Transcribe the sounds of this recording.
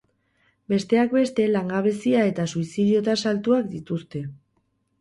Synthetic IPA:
be̞st̪e̞ak̚be̞st̪e̞laŋɡaβ̞e̞siae̞t̪asuisið̞io̞t̪asalt̪uakd̪it̪ust̪e̞

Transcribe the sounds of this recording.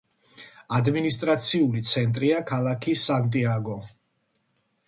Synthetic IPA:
ad̪minist̪ʼɾat̪sʰiulit̪sʰɛnt̪ʼɾiakʰalˠakʰisant̪ʼiaɡɔ

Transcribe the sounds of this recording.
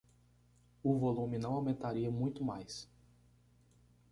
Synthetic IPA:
ʊvolũmɪnɐ̃w̃awmẽnt̪aɾiɐmũj̃t̪ʊmajs

